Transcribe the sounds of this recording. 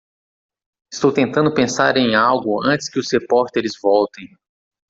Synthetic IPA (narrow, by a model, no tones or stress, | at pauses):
ɪst̪owt̪ẽnt̪ɐ̃nd̪ʊpẽsaɾẽj̃awɡʊɐ̃nt͡ʃɪ̥skɪʊzhepɔɾt̪eɾɪzvɔwt̪ẽj̃